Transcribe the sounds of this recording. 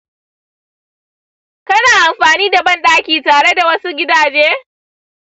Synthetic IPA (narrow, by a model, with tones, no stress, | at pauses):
kɐ˦naː˨ʔa˨mɸaː˨niː˦da˨bɐ˦nɗaː˦kʲiː˨taː˨ɽe˦da˨wɐ˦su˦ɡʲɪ˦daː˨d͡ʒeː˦